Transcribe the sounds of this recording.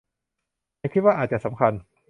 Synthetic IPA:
a˧˥˩kʰi˦˥waː˥˩ʔaː˨˩t̪̚t͡ɕa˨sa˩˦mkʰa˧n

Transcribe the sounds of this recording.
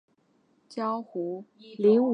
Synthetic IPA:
t͡ɕjɑ˥ʊxu˧˥ | li˧˥ŋ˨

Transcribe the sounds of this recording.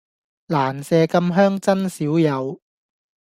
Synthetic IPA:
laː˨˩nsɛː˧kɐ˧mɦœː˥ŋt͡sɐ˥nsiː˨˥wjɐ˨˧w

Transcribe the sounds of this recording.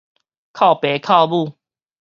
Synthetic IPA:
kʰa˥˨ʊpe˨˦kʰa˥˧ʊbu˥˨

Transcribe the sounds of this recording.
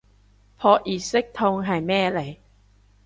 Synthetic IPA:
pʰɔː˧ʔi˨˩se˦˥k̚t̪ʰo˧ŋɦa˨˩jmɛː˥˨la˨˩˦

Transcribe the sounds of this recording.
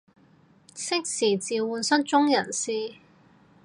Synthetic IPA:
sɪ˥k̚siː˨˩t͡siː˨wuː˨˧nsɐ˥nt͡ʃʊ˥ŋjɐ˨˩nsiː˥

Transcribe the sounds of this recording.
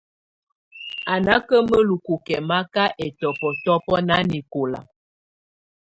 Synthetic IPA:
a˨na˦kə˦mə˦lu˨ku˨kɛ˨ma˦ka˦ʔɛ˨tɔ˨pɔ˨tɔ˦pɔ˦na˦ni˨ko˨la̰˨

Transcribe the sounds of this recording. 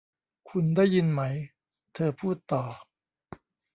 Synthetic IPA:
kʰu˧ndaː˥˩jːi˧nma˦˥j | t̪ʰɤː˧pʰuː˥˩t̪ːɔː˨˩

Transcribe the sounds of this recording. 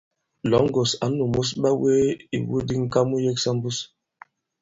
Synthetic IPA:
lɔ˨˦ŋ˦ɡo˨sa̰˨˦nu˨mu˦s̬ɓa˦we˦ḭ˨wṵ˦di˦ŋ̩˦ka˦mu˦je˦ksa˦mbu˦s

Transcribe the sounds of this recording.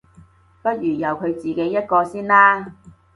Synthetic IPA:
pɐ˥t̚jyː˨˩jɐ˨wkʰɵ˨˧ɥt͡siː˨˩ke˨˥jːɐ˥t̚kɔː˧siː˥nlaː˥

